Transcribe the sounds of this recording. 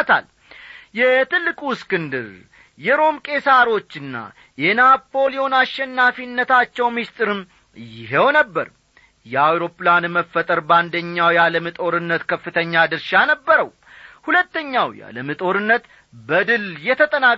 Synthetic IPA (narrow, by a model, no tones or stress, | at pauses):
t̪ʰa̰l | jɛt̪ʰɨlːɨkʼuskɨnd̪ɨɾ | jɛɾo̞mkʼe̞saɾo̞t͡ʃːɨnːa̰ | jɛnapʰːo̞lijo̞naʃːɛnːafinːət̪ʰat͡ʃːɛwmist̪ʼɨɾɨm | jɪɦewnəbːəɾ | jɛawɾo̞pʼːlanməfːət̪ʼəɾband̪əɲːawjaləmɨt̪ʼo̞ɾɨnːət̪kʰəfːɨt̪ʰəɲːad̪ɨɾʃanəbːəɾəw | hulət̪ːəɲːawja̰ləmɨt̪ʼo̞ɾɨnːət̪ | bəd̪ɨljɛt̪ʰət̪ʼəna